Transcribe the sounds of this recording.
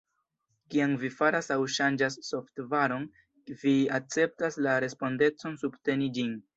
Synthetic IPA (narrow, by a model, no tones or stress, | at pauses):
kiaŋvifaɾasawʃand͡ʒasːo̞ftvaɾo̞n | viak̚t͡se̞p̚taslaɾe̞spo̞nde̞t͡so̞nsubte̞nid͡ʒin